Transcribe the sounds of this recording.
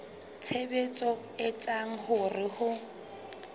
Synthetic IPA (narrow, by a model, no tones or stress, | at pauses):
t͡sʰebet͡sʼɔ | ɪt͡sʼaŋ̩hʊrɪhʊ